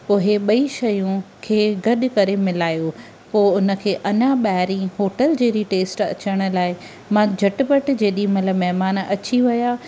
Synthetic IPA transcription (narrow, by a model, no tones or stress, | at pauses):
poːɦeɓɐiʃɐjũkʰeːɡɐɗʊ̆kɐɾemɪlaːjo | poːʊnə̆kʰeːʔɐɲaɓaːɦɾĩɦoːʈəld͡ʑeːɾiʈeːsʈɐ̰t͡ɕəɽ̃̆laːɪ | mãd͡ʑʱɐʈpəʈd͡ʑeːɗimɐt̪ləbmɛɦmaːnɐt͡ɕiʋɐjaː